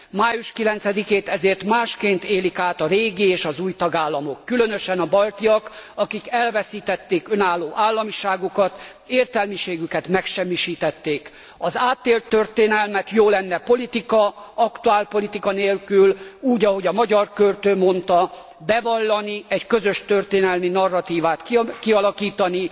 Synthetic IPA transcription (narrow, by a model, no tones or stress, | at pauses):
maːjuʃkilɛnt̪sɛd̪ikeːt̪ɛzeːrt̪maːʃkeːnt̪eːlikaːt̪ɒɾeːɡieːʃɒzuːjt̪ɒɡaːlːɒmo̞kːylø̞nøʃɛnɒbɒlt̪iɒkɒkikɛlvɛsiːt̪ɛt̪ːeːkø̞naːlːoːʔaːlːɒmiʃaːɡukɒt̪ | eːrt̪ɛlmiʃeːɡykɛt̪mɛkʃɛmːiʃiːt̪ɛt̪ːeːk | ɒzaːt̪ːeːlt̪ːørt̪eːnɛlmɛt̪joːlɛnːɛpolit̪ikɒɒkt̪uaːlpo̞lit̪ikɒneːlkyluːɟɒɦo̞ɟɒmɒɟɒrkølt̪øːmo̞nt̪ɒ | bɛvɒlːɒniɛɟkøzø̞ʃt̪ø̞rt̪eːnɛlminɒrːɒt̪iːvaːt̪kkiɒlɒkiːt̪ɒni